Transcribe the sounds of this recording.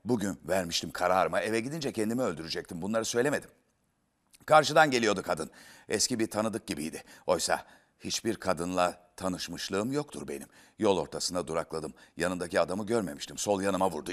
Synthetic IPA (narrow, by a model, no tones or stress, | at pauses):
buɟynvæɾmiʃt̪ʰimkʰaɾaːɾɯmaevɛɟid̪ind͡ʒɛcʰɛnd̪imiø̞lʲd̪yɾyd͡ʒɛc̚t̪ʰimbunlˠaɾɯsø̞jlʲeme̞d̪im | kʰaɾʃɯd̪anɟe̞lʲijo̞d̪ukʰad̪ɯnɛscibiɾt̪ʰanɯd̪ɯk̚ɟibḭjd̪ɪo̞jsa̰ | hit͡ʃbiɾkʰad̪ɯnlˠat̪ʰanɯʃmɯʃlˠɯːɯmjokt̪ʰṵɾbe̞nim | jo̞lˠo̞̰ɾt̪ʰasɯnd̪ad̪uɾaklˠad̪ɯmjanɯnd̪aciad̪amɯɟøɾme̞miʃt̪imso̞lˠjanɯmavuɾd̪u